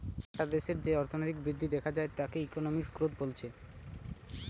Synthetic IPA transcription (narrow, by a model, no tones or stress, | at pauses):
aʈad̪eʃeɾd͡ʑeɔɾt̪ʰonojɾik̚bɾid̪ʱːid̪ɛkʰad͡ʑaet̪akeikonomiʃkɾod̪̚bolt͡ɕʰe